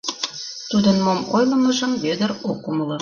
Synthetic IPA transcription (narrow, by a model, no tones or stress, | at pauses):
t̪ud̪ənmomojlə̆məʒə̆mβød̪əɾokːumələ